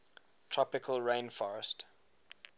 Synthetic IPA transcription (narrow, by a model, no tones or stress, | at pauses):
tʰɹ̥ɔpɪkʰəlɹẽɪ̃nfɔɹəst